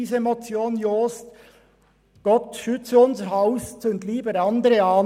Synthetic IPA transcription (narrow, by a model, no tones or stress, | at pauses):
iːsəemot͡sjoːnjoːst̪ | ɡ̥ɔt̪ʃʏt͡səʊnsəɾhɑʊstʊnt̪liːbəɾɑnd̪əɾəɑː